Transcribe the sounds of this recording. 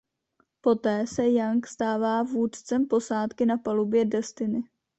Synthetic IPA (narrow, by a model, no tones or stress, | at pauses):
po̞t̪ɛːsɛjaŋkst̪aːvaːvuːt̪t͡sɛmpo̞saːt̪kɪnapalubjɛdɛst̪ɪnɪ